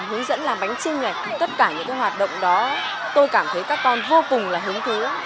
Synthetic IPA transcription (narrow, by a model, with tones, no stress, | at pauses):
ɦɨ˨˦əŋzə̰˧˥nlaː˨˩mɓa˨˦jŋ̟t͡ɕi˧ŋ̟ŋa˨˩jt̪ə˦˥t̚kaː˧˩ɲɨ̰˧˥ŋkaː˨˦jwaː˨˩t̚ɗə̰˧˨wŋ͡mɗɔ˨˦ | t̪o˧jkaː˧˩mt̪ʰə˨˦jkaː˦˥kːɔ˧nvo˧kʊ˨˩ŋ͡mlaː˨˩ɦɨ˨˦əŋt̪ʰu˨˦